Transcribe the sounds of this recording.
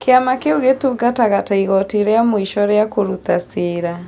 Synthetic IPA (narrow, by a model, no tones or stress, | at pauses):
keamakeoɣetuɡataɣataiɣɔtiɾeamoiʃɔɾeakoɾut̪aseːɾa